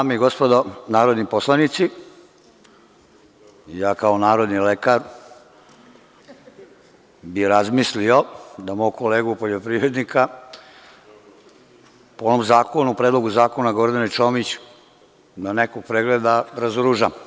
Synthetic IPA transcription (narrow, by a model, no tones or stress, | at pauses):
ameiɡo̞spod̪onaːɾo̞d̪niposlˠanit̪si | jaːkaonaːɾo̞d̪nilekaɾ | biɾazmisliod̪amo̞jukoleːɡupoʎo̞pɾiːʋɾe̞d̪nikʰa | poonomzaːko̞nuːpɾeːd̪lˠo̞ɡuzaːkonaɡo̞ɾd̪anet͡ʃo̞ːmit͡ɕ | d̪anekoɡ̚pɾeɡled̪aɾazoɾuːʒam